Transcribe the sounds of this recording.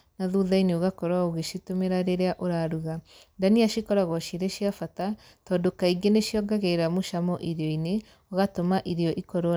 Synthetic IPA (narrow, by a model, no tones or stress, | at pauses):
naðuðaineoɣakɔɾwaoɣeʃitomeɾaɾeɾeaʔoɾaɾuɣa | daniaʃikɔɾaɣwɔʃiɾeʃiafata | tɔːndokaiɡeneʃjɔɡaɣeiɾamoʃamɔʔiɾeɔine | ɔɣatomaʔiɾeɔʔikɔɾo